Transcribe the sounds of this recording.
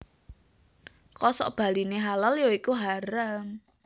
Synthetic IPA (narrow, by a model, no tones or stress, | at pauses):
kɔsɔ̰b̥a̤lineɦalaljoikuɦaɾəm